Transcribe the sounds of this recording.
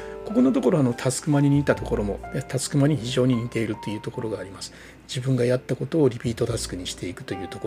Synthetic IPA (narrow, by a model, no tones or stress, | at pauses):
ko̞ko̞no̞t̪̬o̞ko̞ɾo̞ano̞t̪ʰat͡sɨ̥kɯ̟maɲʲiɲ̟iːt̪at̪o̞ko̞ɾo̞mo̞at̪ʰat͡sɨ̥kɯ̟maɲ̟içiʑo̞ːɲ̟iɲʲit̪e̞iɾɯ̟t̪ːo̞jɯ̟ːt̪o̞ko̞ɾo̞ɡaːɾʲimasɨ̥ | d͡ʑibɯ̟̃ŋɡajat̪ːako̞t̪o̞ːɾʲipʲiːt̪o̞t̪asɨ̥kɯ̟ɲ̟iɕi̥t̪e̞ikɯ̟t̪o̞jɯ̟ːt̪ok